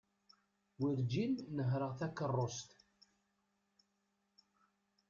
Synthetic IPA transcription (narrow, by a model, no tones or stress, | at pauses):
wiɾd͡ʒinːəɦɾəʁθækːərˤːost̪